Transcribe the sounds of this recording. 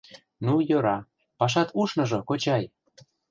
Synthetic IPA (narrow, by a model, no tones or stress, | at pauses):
nujɤ̆ɾɑ | pɑʃ̬ɑt̪uʃnɤ̆ʒɤ̆kot͡ɕɑj